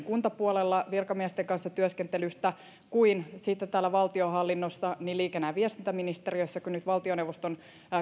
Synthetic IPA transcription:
ŋkunt̪ɑpuolelːɑʋirkɑmiɛst̪eŋkɑnsːɑt̪yøskent̪elyst̪æ | kuinsit̪ːet̪æːlːæʋɑlt̪io̞ɦɑlːinːosːɑniliːkenːæːʋiɛst̪int̪æminist̪eriøsːækynyt̪ʋɑlt̪ionewʋost̪on

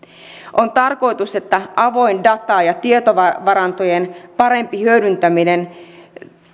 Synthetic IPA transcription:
ʔont̪ɑrko̞jt̪use̞t̪ːæʔɑʋo̞indɑt̪ɑːjɑt̪iet̪oʋɑʋɑɾɑnt̪ojenpɑɾe̞mpihyøɾynt̪æminen

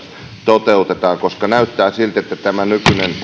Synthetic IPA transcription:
t̪ot̪eut̪et̪ɑːkoskɑnæyt̪ːæːsilt̪et̪ːæt̪æmænykynen

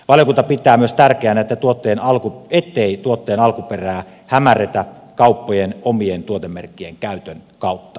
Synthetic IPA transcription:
ʋɑljokunt̪ɑpit̪ˑæːmyøst̪ærkeænæet̪ːæt̪uot̪ːeːnɑlkuet̪ːeit̪uot̪ːeːnɑlkuperæː | hæmæret̪æ | kɑˑupːojenomient̪uot̪emːerkːijeŋkæˑyt̪ønkɑˑut̪ːɑ

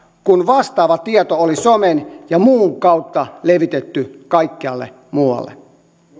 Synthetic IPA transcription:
kunʋɑst̪ɑːʋɑt̪iɑt̪oolisomenjɑmuːŋkɑut̪ːɑleʋit̪et̪ːykɑikːiɑlːḛ | muwɑ̰lːḛ

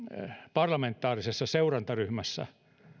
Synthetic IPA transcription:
pɑrlɑment̪ːɑːrisesːɑseurɑnt̪ɑryhmæsːæ̰

